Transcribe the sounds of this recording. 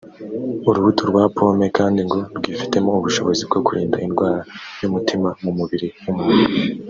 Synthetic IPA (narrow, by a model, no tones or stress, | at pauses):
uɾuβutʰuɾɡwaːpʰo̞ːme̞kaːndiŋɡo̞ɾɡiːfi̥te̞mo̞uβuʃo̞̰βo̞zib̚ɡo̞kuɾḭːnda̰inɡwaːɾajumutimamumuβiɾijumunu